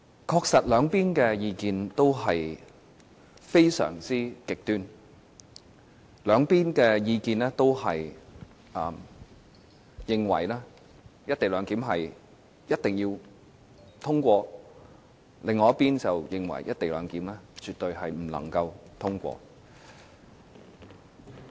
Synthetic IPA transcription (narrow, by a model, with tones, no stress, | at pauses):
kʰɔː˧k̚sɐ˨t̚lœː˨˧ŋpiː˥nkɛː˧jiː˧kiː˧nt̪o˥wɦɐ˨j | fe˥jsœ̰ː˨˩ŋt͡siː˥kɪ˨k̚t̪yː˥n | lœː˨˧ŋpiː˥nkɛː˧jiː˧kiː˨˧nlɛː˥t̪o˥whɐ˨j | ʔɐː˨˧m | jɪ˨ŋwɐ̰˨˩jlaː˥ | jɐ˥t̚t̪e˨jlœː˨˧˥ŋkiː˨˥mɦɐ˨j | jɐ˥t̚t̪ɪ˨ŋjiː˧w | t̪ʰʊ˥ŋkʷɔː˧ | lɪ˨ŋːɔː˨˧jɐ˥tpiː˥nt͡sɐ˨wjɪ˨ŋwɐ̰˨˩jɐ˥t̚t̪e˨jlœ̰ː˨˧ŋkiː˨˥mlɛː˥t͡ʃy˨t̪ɵ˧ɥɦɐ˨jm̩˨˩lɐ̰˨˩ŋkɐ˧wt̪ʰʊ˥ŋkʷɔ̰ː˧